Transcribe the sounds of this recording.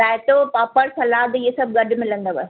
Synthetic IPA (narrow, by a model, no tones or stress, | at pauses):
aːet̪opaːpəɾsɐlaːd̪iɦesɐb̚ɡɐɖmɪlə̃nd̪aʋɐ